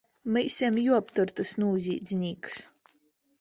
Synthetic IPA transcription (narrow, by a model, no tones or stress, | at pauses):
mɨjsʲɛmjuɔpt̪uɾt̪ɨsnuːzʲiːd̪zʲnʲiːks